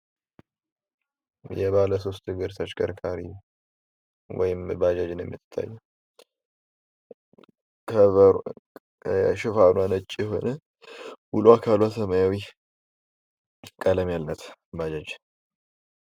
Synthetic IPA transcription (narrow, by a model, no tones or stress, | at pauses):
jɛβaləso̞st̪ɨɡɨɾt̪ʰat͡ʃkʼəɾkʰaɾi | wɔ̰jɪmbad͡ʒad͡ʒɪnjɛ̰mːɨt̪ːɨ̥t̪ʰːa̰jːɛ | kʰə | ʃɪfanwanət͡ʃʼːijɛɦo̞̰nə | wuluakʰalwasəməjawi | kʼələmjalnət̪bad͡ʒad͡ʒ